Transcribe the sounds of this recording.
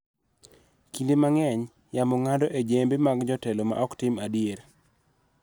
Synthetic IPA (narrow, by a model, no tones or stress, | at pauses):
kindemaŋɛɲ | jamɔŋadɔʔed͡ʒembemaɡd͡ʒɔtɛlɔma̰ʔɔktɪmadieɾ